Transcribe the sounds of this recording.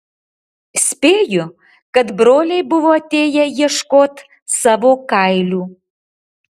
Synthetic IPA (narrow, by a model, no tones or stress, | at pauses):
sʲpeju | kəd̪bɾolʲejbuvot̪ejɛjəʃkot̪ | sɐβokajlʲu